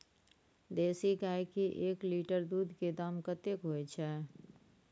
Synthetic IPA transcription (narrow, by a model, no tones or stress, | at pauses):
d̪eːsiɡaːjkiʔeːkliːʈəɾd̪uːd̪ʱked̪əmkət̪ekɦoet͡ʃʰɛ